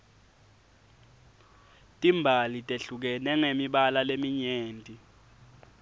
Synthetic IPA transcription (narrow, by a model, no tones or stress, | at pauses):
tʼimbʱalitʼeɬuk̬ɛnɛŋemiɓalalemiɲeːntʼi